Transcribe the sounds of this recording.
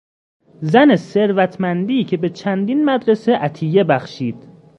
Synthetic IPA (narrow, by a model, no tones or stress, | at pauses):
zæne̞se̞ɾvæt̪ʰmænd̪iːcʰe̞be̞t͡ʃʰænd̪iːnmæd̪ɾeseʔæt̪ʰije̞bæxʃiːd̪̥